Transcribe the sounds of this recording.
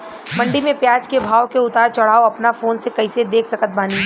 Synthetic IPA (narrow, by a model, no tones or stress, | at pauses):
mɐ̃ɳɖimẽpjaːd͡ʒkebʱaːwkeʊt̪aːɾt͡ʃɐɽ̤aːoɐpnafoːnsekɐɪsed̪eːkʰsɐkət̪̚baːni